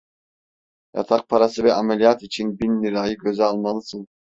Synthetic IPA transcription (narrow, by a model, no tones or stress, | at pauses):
ja̰t̪ʰaq̚pʰaɾasɯvɛʔamɛlʲijat̪it͡ʃʰinbinːiɾajɯɡøzɛalˠmalˠɯsɯn